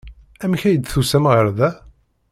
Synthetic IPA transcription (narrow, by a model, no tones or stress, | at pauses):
æmçæjəd̪θusæmʁəɾðæ